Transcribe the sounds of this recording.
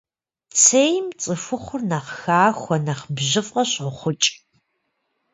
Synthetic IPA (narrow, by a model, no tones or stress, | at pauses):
t͡sʰejmt͡sʼɨfʊχʷʊrnɐχxaːxʷɔnɐχbʑɪfqɐɕʼʊχʷʊt͡ʃʼ